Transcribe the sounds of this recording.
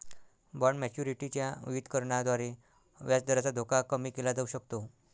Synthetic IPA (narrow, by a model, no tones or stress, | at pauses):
bəɾɳmɛt͡ɕjuɾiʈit͡ɕjaʋiʋid̪ʱkəɾɳad̪ʋaɾe | ʋjat͡sd̪ʱəɾat͡sad̪ʱokakəmiːkelad͡zəuɕəkt̪o